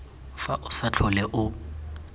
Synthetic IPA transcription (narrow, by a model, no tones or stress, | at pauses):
faʔʊsat͡ɬʰɔlɛʔʊ